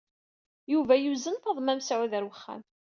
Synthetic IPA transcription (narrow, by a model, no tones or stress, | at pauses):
juvæjuzənθɑðˤmæmsʕuðəɾwəχːæ̰m